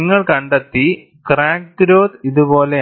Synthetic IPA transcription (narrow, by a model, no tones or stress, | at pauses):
ŋːɐɭkɐɳɖet̪ːi | kraːk̚tɾoːt̪iðubo̞ːle